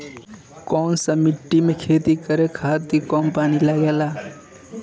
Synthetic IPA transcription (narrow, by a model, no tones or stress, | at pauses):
kɔnsə̃miʈːimekʰet̪ikəɾekʰat̪ikɔnpaːnilaɡela